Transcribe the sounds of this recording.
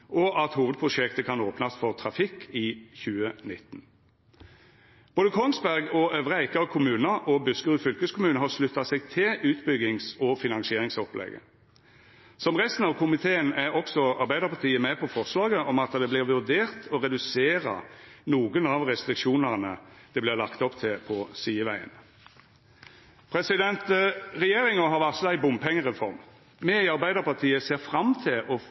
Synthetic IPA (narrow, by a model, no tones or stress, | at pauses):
ʔɔʔɑt̪huːʋəd̪̚pʰʁʊʂɛkt̪əkʰɑnoːpnɑst̪fɔʁt̪ʰɾɑfɪkʰːiːçʉːənɪt̪ːn | b̥oːd̪əkʰɔŋsbæʁɡɔøʋʁəæɪkəʁkʰʊmʉːnəʔɔbʉskəʁʉːfʏlkəskʰʊmʉːnəɦɑʁʂlʉt̪ːɑsɛɡ̚t̪ʰɪʔʉːt̪bʏɡɪŋsɔfɪnɑnsɪeːʁɪŋsɔplʔɛ̰ɡə̰ | sɔmʁɛst̪n̩ɑʋkʰʊmɪt̪ʰeːənæɾɔksɔɑɾbæɪd̪əʁpʰɑʁt̪ʰiːəmɛpʰɔfɔʁslɑːɡəʔɔmɑt̪d̪ɛblɪʁʋʉʁd̪eːʁt̪ʰɔɾɛd̪ʉseːɾə̰nuːɡənɑʋʁɛst̪ɾɪkʃuːnəʁnəd̪̥ɛblɪʁlɑkt̪ɔpt̪ʰɪlpʰɔsiːəʋæɪə̰n | pʰɾɛsɪd̪ɛnt̪ʁɛjeːɾɪŋəɦɑɾʋæʁt̪sɔl̩æɪbʊmpʰɛŋːəʁɛfɔɾm | mɛɪɑɾbæɪd̪əʁpɑʁt̪ʰiːəseːʁfɾɑmt̪ʰɪlʔɔ